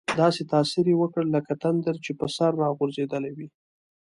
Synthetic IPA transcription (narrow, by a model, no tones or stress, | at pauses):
d̪ɑset̪ɑsiɾewəkəɽləkat̪and̪əɾt͡ʃepəsaɾːɑɣoɾzed̪əlawi